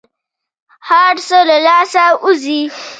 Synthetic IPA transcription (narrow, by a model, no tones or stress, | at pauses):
haɽsɔlɐlaːsaːʔʊziː